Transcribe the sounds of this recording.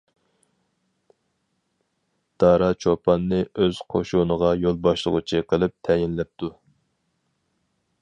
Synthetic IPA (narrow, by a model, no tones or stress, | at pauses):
d̪̥ɑːɾɑt͡ʃʰopʰɑnːɨøz̥qʰoʃunəʁɑjolˠbɑʃlˠə̰ʁṵt͡ʃʰiqʰəlˠɨp̚t̪ʰɛjɪnlɛp̚t̪ʰu